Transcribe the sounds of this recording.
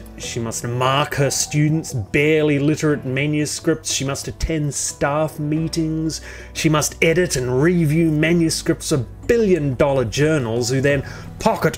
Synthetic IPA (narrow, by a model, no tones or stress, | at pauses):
ʃimʌstmɑɹkhə˞stʉdⁿn̩tsb̥ɛɹlˠilɪɾə˞ɨt̚mæ̃njɨskɹɪp̚tsʃimʌstɨ̥tʰɛ̃nstæfmiɾɪ̃ŋz̥ | ʃimʌstɛɾɨɾɨ̃nɹivjʉmæ̃njɨskɹɨp̚tsʌvbɪlˠjɨ̃ndɔlˠə˞d͡ʒɜ˞nl̩ˠz̥hʉðɨ̃n | pʰɑkɨt